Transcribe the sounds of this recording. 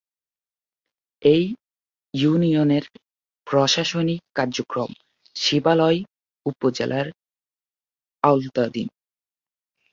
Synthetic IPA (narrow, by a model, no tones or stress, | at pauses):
ej | junioneɾ | pɾoʃaʃonikaɾd͡ʑokɾom | ʃibalɔj | upod͡ʑḛlʔaɾ | awlt̪ad̪ḭn